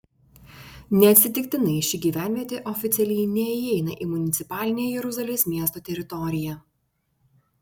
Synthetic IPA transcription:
nʲɛɐt̪ʲsʲɪt̪ʲɪkʲt̪ʲɪnɐɪʃʲɪɡʲiːʋʲæˑnʲʋʲiɛt̪ʲeʔɔfʲɪt̪sʲɛlʲɛɪnʲɛɪɛɪnɐʔiːmʊnʲɪt̪sʲɪpɑːlʲɪnʲeːjjɛɾʊzɐlʲeːsmʲiɛst̪oːt̪ʲɛɾʲɪt̪ɔɾʲɪjɛ

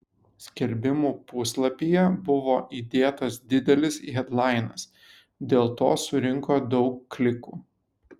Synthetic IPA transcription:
sʲkʲɛlʲbʲɪmuːpʊslˠɐpʲiːjɛbʊʋoːʔiːd̪ʲeːt̪ɐsd̪ʲɪd̪ʲɛlʲɪsɦʲɛd̪lˠɑˑɪnɐs | d̪ʲeːlˠt̪o̰ːsʊɾʲɪŋkoːd̪ɒʊkːlʲɪkuː

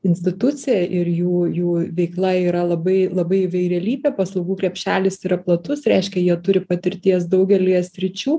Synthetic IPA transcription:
ɪnʲsʲt̪ʲɪt̪ʊt͡sʲɪjɛʔɪɾjuːjuːʋʲɛɪklˠɐiːɾɐlˠɐbɐɪlˠɐbɐɪɪʋɐɪɾʲeɛlʲiːbʲeːpɐslˠɐʊɡuːkɾʲɛpʲʃʲæːlʲɪsɪɾɐplˠɐt̪ʊsɾʲɛɪʃʲkʲɛjiɛt̪ʊɾʲɪpɐt̪ʲɪɾʲt̪ʲiɛsd̪ɐʊɡʲɛlʲiɛsʲɾʲɪt͡ʃʲuː

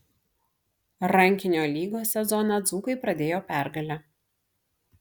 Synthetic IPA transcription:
ɾɐŋʲkʲɪnʲoːlʲiːɡoːsʲɛzɔnɐd̪zuːkɐɪpɾɐd̪ʲeːjoːpʲæˑɾɡɐlʲɛ

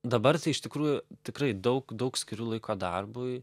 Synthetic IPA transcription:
d̪ɐbɐrt̪ɐɪɪʃt̪ʲɪkɾuːjʊt̪ʲɪkrɐɪd̪ɐʊkd̪ɐʊksʲkʲɪɾʲuːlˠɐɪkoːd̪ɐrbʊɪ

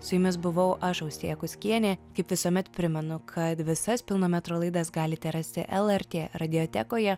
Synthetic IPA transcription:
sʊjɪmʲɪs̬bʊʋɐʊʔɐʃɐʊst̪ʲeɛkʊsʲkʲiɛnʲeːkɐɪpʋʲɪsuɔmʲɛt̪pʲɾʲɪmʲɛnʊkʰɐt̪ʋʲɪsɐspʲɪlˠnoːmʲɛt̪ɾoːlˠɐɪd̪ɑsɡɑːlʲɪt̪ʲɛɾɐsʲt̪ʲɪ̰ʔɛlˠɛɾʲt̪ʲeːɾɐd̪ʲɪot̪ʲɛ̰koːjɛ

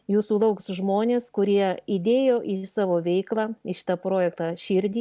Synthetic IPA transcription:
juːsuːlˠɐʊksʒmoːnʲeːskʊɾʲiɛid̪ʲeːjoːʔɪsɑːʋoːʋʲɛɪklˠɑːɪʃɪ̥t̪ɑpɾoːjɛkt̪ɑːʃʲɪːɾʲd̪ʲiː

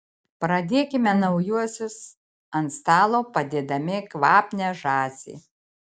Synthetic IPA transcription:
pɾɐd̪ʲeːkʲɪmʲɛnɐʊjuɔsʲʊs | ɐnt̪st̪ɑːlˠoːpɐd̪ʲeːd̪ɐmʲɪkʋɑːpʲnʲɛʒɑːsʲḭː

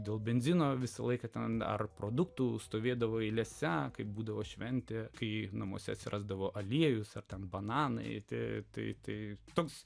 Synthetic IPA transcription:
d̪ʲeːlˠbʲɛnʲzʲɪnoːʋʲɪsɐlˠɐɪkɐt̪ʲɛnɐ̰rpɾoːd̪ʊkt̪uːst̪oːʋʲeːd̪ɐʋoːilʲɛsʲɛkɐɪpbuːd̪ɐʋoːʃʲʋʲɛnʲt̪ʲeːkɐɪnɐmṵːsʲɛ̰ɐt̪ʲsʲɪɾʔɑ̰ːzd̪ɐʋoːʔɐlʲiɛjʊsɐrt̪ʲɛnbɐnɑːnɐ̰ɪt̪ʲɪt̪ɐɪt̪ɐɪt̪oːks

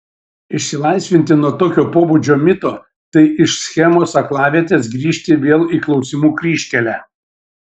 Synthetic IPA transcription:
ɪʃʲsʲɪlˠɐɪsʲʋʲɪnʲt̪ʲɪnuɔt̪oːkʲoːpoːbud͡ʒʲoːmʲɪt̪oː | t̪ɐɪʔɪʃsʲxʲɛmoːsɐklˠɑːʋʲiɛt̪ʲeːsɡɾʲiːʃʲt̪ʲɪʋʲeːlˠiːklˠɒʊsʲɪmuːkɾʲiːʃʲkʲɛlʲæː

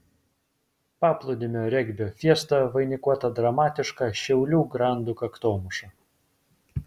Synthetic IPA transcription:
pɑːplˠʊd̪ʲɪmʲoːɾʲɛɡʲbʲoːfʲiɛst̪ɐʋɐɪnʲɪkuɔt̪ɐd̪ɾɐmɑːt̪ʲɪʃkɑʃʲɛʊlʲuːɡɾɑˑnd̪ukɐkt̪oːmʊʃʲɛ

